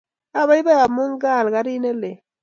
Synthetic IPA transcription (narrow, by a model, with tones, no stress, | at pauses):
a˦˨βa˦i˦be˦a˨mu˦ŋ˦ɡa˦˨lɡa˦ɾi˦ne˦le˨